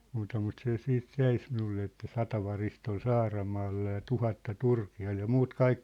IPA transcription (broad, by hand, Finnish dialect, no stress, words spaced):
muːtɑ mut se siːt jæi s minulːe etːæ sɑtɑ ʋɑrist ol sɑːrɑmɑːlːɑ jɑ tuhɑtːɑ turkiɑl jɑ muːt kɑik